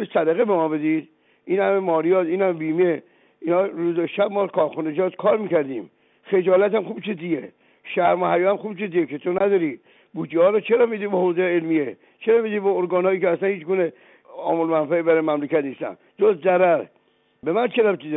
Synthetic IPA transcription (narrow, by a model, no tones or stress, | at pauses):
oɾisæd̪æɣebemɒːbed̪id̪̥ | ʔiːnhæmemɒːɾijɒːt̪iːnhæmbiːmie | iːnhɒːɾuːzeʃæbmɒːkʰɒːɾxuned͡ʒɒːd̪kʰɒːɾmiːkæɾd̪iːm | xed͡ʒɒːlæt̪æmxuːbt͡ʃʰuzije | ʃæɾmohæjɒːæmxuːbt͡ʃuziekʰet̪ʰonæd̪ɒːɾi | buːd͡ʒihɒːɾɔt͡ʃʰeɾɒmid̪iːbehoːzejelmie | t͡ʃʰeɾɒːmid̪ibɔoɾɡɒːnhɒːjiːkeæslænhiːt͡ʃɡuːne | ɒ̰ːmolmænfæebæɾɔjmæmlekæt̪nist̪æ̰n | d͡ʒozd̪zæɾæɾ | bemænt͡ʃʰeɾæbt͡ʃiz